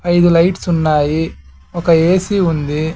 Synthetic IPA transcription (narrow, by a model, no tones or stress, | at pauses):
ɐjd̪ulɐjʈsunːaːji | ɔkɐeːsiund̪i